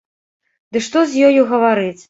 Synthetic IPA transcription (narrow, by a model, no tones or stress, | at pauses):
d̪ɨʂt̪ɔzʲjɔjuɣɐvaɾɨt͡sʲ